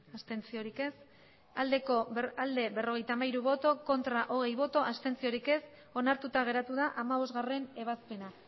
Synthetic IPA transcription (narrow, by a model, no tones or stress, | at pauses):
ast̪e̞nt͡sio̞ɾike̞s | ald̪e̞ko̞ald̪e̞βe̞ro̞ɣ̞e̞jt̪amaiɾuβo̞t̪o̞ko̞nt̪ɾaʔo̞ɣ̞e̞jβo̞t̪o̞ʔast̪e̞nt͡sio̞ɾike̞s | o̞naɾt̪ut̪aɣ̞e̞ɾat̪uðaʔamaβo̞zɣare̞ne̞β̞aspe̞na